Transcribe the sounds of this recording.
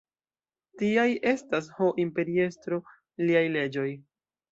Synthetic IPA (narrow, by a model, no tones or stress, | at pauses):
tiaje̞stas̬ho̞ʔimpe̞ɾie̞stɾo̞ | liajle̞d͡ʒo̞j